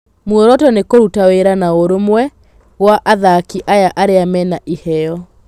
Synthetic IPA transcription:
mwoɾɔtɔnekoɾutaweɾanaoɾomwɛ | ɣwaʔaðakiʔajaʔaɾeamɛnaʔihɛɔ

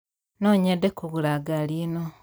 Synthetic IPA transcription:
noːɲedekuɣulaɡalino

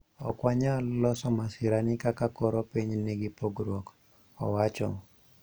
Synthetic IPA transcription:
ɔkwaɲalɔsɔmasɪɾanɪkakakɔɾopiɲnɪɡɪpoɡɾwɔk | ɔ̰wat͡ʃɔ̰

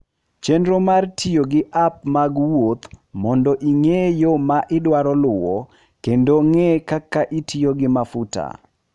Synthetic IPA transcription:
t͡ʃendɾomartʰijoɡɪʔap̚maɡwot̪mɔndɔʔiŋejomaʔɪdwaɾɔlʊwɔ̰ | kendoŋɛkakːaʔitʰijoɡɪmafuta̰

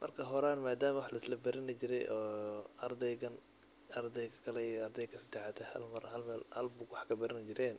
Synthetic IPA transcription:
mʔɐrkʰɐɦɔɾaːnmaːd̪aːmɐwʊħlɐɪslɐbɐɾɪnɪt͡ʃɪɾɛ̰jʔɔːɐrd̪ɛjɡɐn | ɐrd̪ɛjkɐkʰɐlɛiɐrd̪ɛjkʰɐsɪt̪ʰɛʕɑt̪ʰɐhɐ̰lmɐrhɐlmɛːlhɐ̰lbʊɡwɑħkʰɐbɐɾɪnɪt͡ʃɪɾɛːn

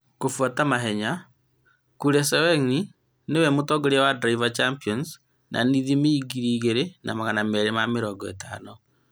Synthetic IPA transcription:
kofwatamaɦɛɲa | kuɾɛsɛwɛŋi | newɛmotɔɡoɾeawadɾaivat͡ʃampiɔns | nʔa̰niðimeiɡiɾiːɣeɾenʔa̰maɣanamɛɾemameɾɔɡɔḛta̰nɔ

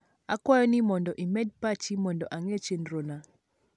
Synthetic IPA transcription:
akwajɔnimɔndɔʔimɛd̚pat͡ʃimɔndɔʔaŋet͡ʃenɾona

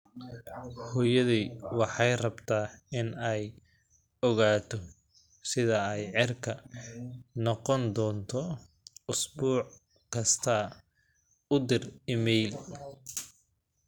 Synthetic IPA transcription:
hɔjɐðiːwɑħɑjrɐbt̪ʰaːɪnɛj | ɔɣaːt̪ʰɔ | sɪðɐɛjʕɪrkʰɐ | nɔqɔnd̪ɔːnt̪ʰɔ | ʊsbuːʕ | kʰɐst̪ʰɐ | ʊd̪ɪrɪmɛjl

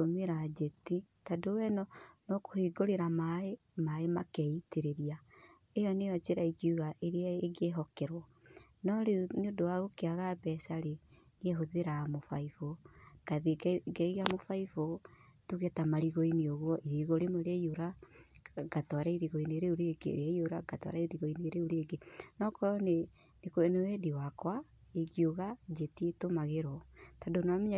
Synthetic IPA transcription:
omeɾad͡ʒetitadowɛnɔnɔko̥hiɡoɾeɾamae | maemakɛiteɾeɾia | ejɔnejɔt͡ʃeɾaikiuɣaʔeɾeaeɡeɦɔkɛɾwɔnɔɾeneodowaɣokeaɣabɛsaɾe | nieɦoðeɾamofaifoɡ̥aðeɡɛiɣamofaifotuɣetamaɾiɣoinioɣwɔʔiɾiɣoɾemoɾɛioɾa | ɡ̥atwaɾaiɾiɣoineeɾeoɾeɡḛɾeaioɾaɡatwa̰ɾaiɾiɣoinieɾeoɾeɡenɔkɔɾɔne | nekoɛnowɛdiwakwaeɣioɣad͡ʒetietomaɣeɾɔtadonamiɲa

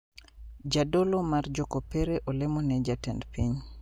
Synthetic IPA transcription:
d͡ʒadolomard͡ʒokopɛɾeʔolemonɛd͡ʒatɛndpiɲ

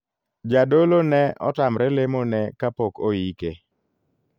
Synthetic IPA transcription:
d͡ʒadolonɛʔɔ̰tamɾɛlemonɛkapokojike

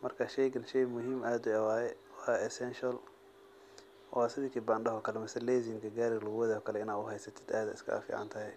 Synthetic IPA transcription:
mɐrkʰɐʃɛjɡɐnʃɛjmʊɦiːmʔaːd̪ʊɐwaːjɛwaɛsɛnʃɐl | wasɪðikʰiːbanɖɐɦɔkʰɐlɛmɐsɐlɛːzɪŋkʰɐɡaːɾɪɣlʊɣwɐðɛɔːkʰɐlɛɪnaːʊɦɛjsɐt̪ʰɛ̥d̪aːd̪ɐ̰ɪ̰skʰɐ̰fḭːʕa̰nt̪ʰɐɦɛj

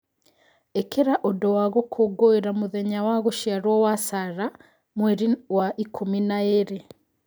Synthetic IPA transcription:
ekeɾaʔodɔwaɣokʰoɡoeɾamoðɛɲawaɣoʃiaɾwɔwasaɾa | mweɾiwaʔikʰominaeɾe

